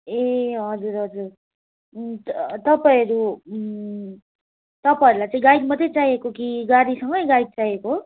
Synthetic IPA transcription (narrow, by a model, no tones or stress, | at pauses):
eɦʌd͡zuɾɦʌd͡zuɾ | t̪ʌpaʌɾu | t̪ʌpaiɾulajt͡saĩɡaiɡ̚mʌd̪ʱet͡sajekokiɡaɽisʌŋɡʌjɡajɡ̚t͡sajeko